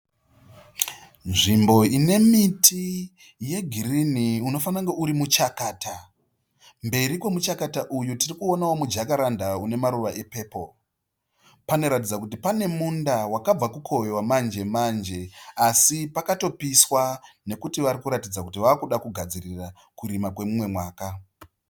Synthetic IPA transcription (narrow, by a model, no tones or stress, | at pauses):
nʐimbo̞ine̞mitʰi | je̞ɡʱiriniuno̞fanaŋɡe̞ʔuɾimut͡ʃakaːta | mbe̞ɾikwo̞mut͡ʃakataʔujutirikuo̞nawo̞mud͡ʒakaɾandaune̞maɾuʋaʔe̞pe̞ːpo̞ | pano̞ɾatid͡zakutipane̞mundawakab͡vakukʰo̞ʋewamand͡ʒe̞mand͡ʒe̞asipakato̞piswane̞kutiʋaɾikuɾatid͡zakutiʋaːkuɗakuɡʱad͡zirira | kuɾimakwe̞mumwe̞mwaːka